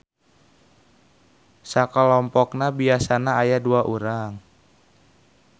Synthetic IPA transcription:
sakəlɔmpɔk̚nabiasanaːjaduaʔuɾaŋ

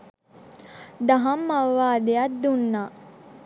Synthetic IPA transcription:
d̪aɦamːaʋʋaːd̪ejat̪̚d̪unːaː

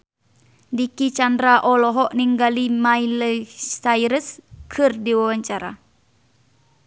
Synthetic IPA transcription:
dikit͡ʃandɾaʔɔlɔɦɔʔniŋɡalimajləsajɾəskʰɨrdiwawaɲt͡ʃaɾa̰

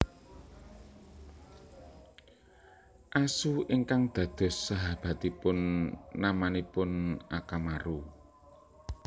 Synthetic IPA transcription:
ʔasuʔiŋkaŋd̪̥ä̤d̪̥ɔ̤sːaɦab̥a̤t̪ipʊnːamanipʊnʔakamaɾu

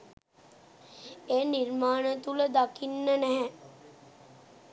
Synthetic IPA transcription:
eːnirmaːnət̪uləd̪akinːənæɦɛ

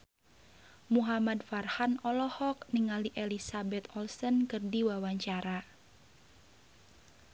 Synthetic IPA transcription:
muɦamadfarhanɔlɔhɔk̚niŋaliʔelisabɛt̪ɔlsənkɨrdiwawaɲt͡ʃaɾa

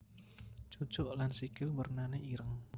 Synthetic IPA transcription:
t͡ʃɔt͡ʃɔʔlansikɪlbərnanaiɾəŋ

